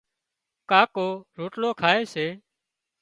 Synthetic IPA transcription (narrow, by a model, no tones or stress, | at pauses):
kaːkoːɾoːʈloːkʰaːeːseː